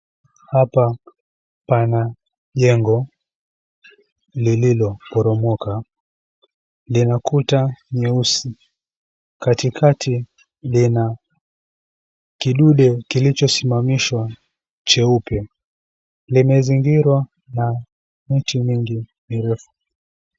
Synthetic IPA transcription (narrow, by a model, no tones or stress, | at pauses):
hapa | pana | ʄɛŋɡɔ | lililɔpɔɾɔmɔka | linakutaɲɛusi | katikʰatʰi | lina | kiɗuɗɛkilit͡ʃɔsimamiʃwa | t͡ʃɛupɛ | limɛziŋɡiɾwa | na | mitimiŋɡimiɾɛfu̥